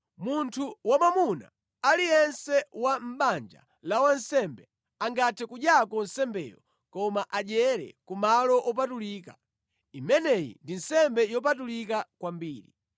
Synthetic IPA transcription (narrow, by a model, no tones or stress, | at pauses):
muntʰuwamamuna̰ | alijɛnsɛwam̩ɓand͡ʒa̰ | lawansɛmbɛ | aŋɡatʰɛkuɗjakɔnsɛmbɛ̰jɔ̰ | kɔmaʔaʄɛɾɛ̰kumalɔʔɔp̬atuliːka̰ | imɛnɛjḭndin̩sɛmbɛjɔp̬atulikakwambiːɾi